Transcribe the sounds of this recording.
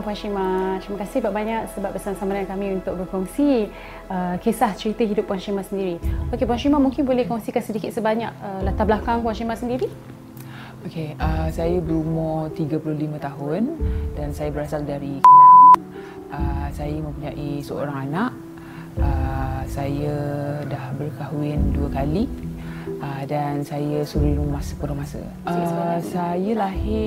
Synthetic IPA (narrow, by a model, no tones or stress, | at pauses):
ŋpuanʃimãt̪ɾiməkasɪhbaʔ̚baɲaʔ̚səbap̚bəsamasamaɾankamĩunt̪ʊk̚bəkɔŋsi | əkesaht͡ʃəɾit̪əɦidʊp̚ːuanʃimasəndiɾiokepuanʃimamuŋkɪnbolɛhkɔŋsikansədikɪt̪̚səbaɲaʔəlat̪abəlakaŋpuanʃimasəndiɾi | okeəsajəbəɾumɔt̪iɡəpulʊhlimãt̪aɦʊndansajəbəɾasaldaɾikaɪn | əsajəmə̃mpuɲaʔisəo̰ɾaŋanaʔ | əsajədahbərkaɦuɪnduəkali | ədansajəsuɾiɾumahsə̥pəɾumasə̰ | əsajəlahɪ